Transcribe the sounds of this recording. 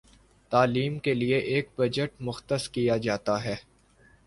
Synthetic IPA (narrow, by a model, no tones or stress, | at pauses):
t̪aːliːmkelieʔeːk̚bɐd͡ʒəʈmʊxt̪əskijad͡ʒaːt̪aɦɛː